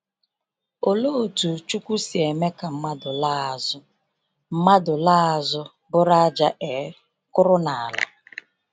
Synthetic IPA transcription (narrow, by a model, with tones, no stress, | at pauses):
o˨lo˦o˨tu˨t͡ʃu˦kʷu˦si˨e˨me˦ka˨m̩˦ma˦dʊ˨la˦˨zʊ˦ | m̩˦ma˦dʊ˨la˦a˨zʊ˦ | bʊ˦ɾa˦a˦d͡ʒa˦ʔe˨˦ | kʊ˦ɾʊ˦na˨a˨la̰˨